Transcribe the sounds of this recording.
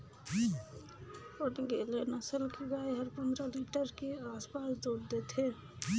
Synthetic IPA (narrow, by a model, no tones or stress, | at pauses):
ənɡelenəsəlkeɡajɦəɾpənd̪ɾəliʈəɾkeaspasd̪oɾd̪et̪ʰe